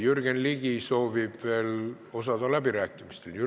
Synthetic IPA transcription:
jyrɡ̥enliɡ̥iso̞ːvib̥ve̞ːl | o̞sɑd̪ɑlæb̥iɾæːkːˑimist̪eljy

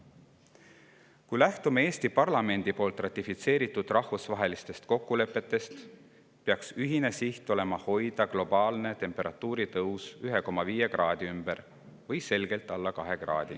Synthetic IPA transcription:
kujlæht̪umeeːst̪ipɑrlɑme̞nd̪̥ipoːlt̪ˑrɑt̪ːˑifit̪se̞ːɾit̪ːˑud̪̥rɑhvusvɑɦe̞list̪e̞st̪ko̞kːule̞pːˑe̞t̪ːˑe̞st̪ | peɑksyɦine̞siht̪o̞le̞mɑho̞jd̪̥ɑɡ̥lo̞b̥ɑːlne̞t̪e̞mpˑe̞ɾɑt̪ːˑuːɾit̪ɤwsyɦe̞ko̞mːɑviːje̞ɡrɑːd̪̥iymb̥eɾ | vɤjse̞lɡ̥e̞lt̪ːˑɑlːɑkɑɦe̞ɡ̥rɑ̰ːd̪̥i

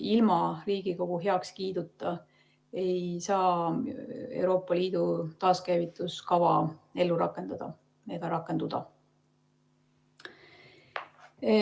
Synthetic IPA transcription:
ilmɑriːɡ̥iko̞ɡ̥uɦe̞ɑkskiːd̪̥ut̪ːˑɑ | e̞jsɑː | ḛwɾo̞ːpːˑɑliːd̪̥ut̪ɑːskæjvit̪ːˑuskɑvɑe̞lːuɾɑ̰kːˑe̞nd̪̥ɑd̪̥ɑ̰ | e̞ɡ̥ɑɾɑkːˑe̞nud̪̥ɑ̰

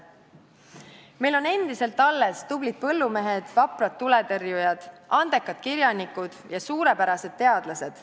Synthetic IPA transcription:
me̞jlo̞ne̞nd̪̥ise̞lt̪ːˑɑlːe̞st̪ublid̪̥̚pɤ̞lːume̞ɦe̞d̪̥vɑprɑt̪ːule̞t̪ɤrjujɑd̪̥ɑnd̪̥e̞kːˑɑt̪kiɾjɑnikud̪̥jɑsuːɾe̞pæɾɑse̞d̪̥̚t̪ːe̞ɑd̪̥lɑse̞d̪̥

